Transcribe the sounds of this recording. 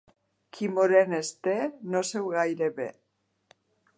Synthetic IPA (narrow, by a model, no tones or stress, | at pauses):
kʰimoɾenest̪enose̞wɣajɾeβḛ